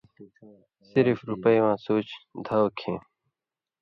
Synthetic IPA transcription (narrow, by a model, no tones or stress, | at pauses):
sɪɾfɾupəjwãːsoːt͡ɕd̪ʱawkʰẽː